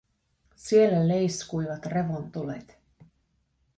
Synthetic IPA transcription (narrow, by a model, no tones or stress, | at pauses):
sie̞lːælejskujʋɑt̪re̞ʋont̪ulḛt̪